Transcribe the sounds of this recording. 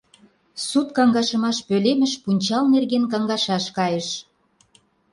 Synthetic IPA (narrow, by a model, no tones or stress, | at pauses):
sut̪̚kɑŋɡɑʃə̆mɑʃpølemə̆ʃpunʲt͡ɕɑlnerɣenkɑŋɡɑʃɑʃkɑjə̆ʃ